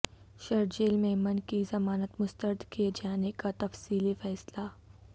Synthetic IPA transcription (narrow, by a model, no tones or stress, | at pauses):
ʃɐɾd͡ʒeːlmẽmɐnkizɐmaːnət̪mʊst̪əɾd̪ʱkied͡ʒaːnekat̪ɐfsiːlifɛːsla